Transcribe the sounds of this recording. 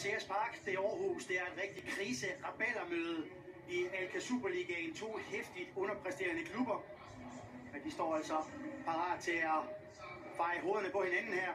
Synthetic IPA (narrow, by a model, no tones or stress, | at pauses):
seæspʰɑ̈ːɡ̥d̥e̝ɒːhuːsd̥e̝æɐe̝d̥ʁɛɡ̥̚d̥id̥̚kʰʁiːsəʁɑb̥elɐmøːð̞ˠ | iælkʰæsṵb̥ɐliɡ̥ɛnt͡sʰo̝̰ːhefd̥id̥ɔ̽nɐpʰʁɛsd̥e̝̰ːɐnəkʰlub̥ɐ | d̥isd̥ɒ̰ːæl̰sɒ̽pʰɑ̈ʁɑ̰̈ːd̥̚t͡sʰe̝læ | fɑ̈ɪəɦo̝ːð̞ˠɐnəpɒ̽he̝nænn̩hæɐ̰